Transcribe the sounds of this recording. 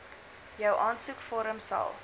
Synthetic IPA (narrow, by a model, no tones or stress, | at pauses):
jəwʔɑːntsukfɔɾəmsɐ̰lˠ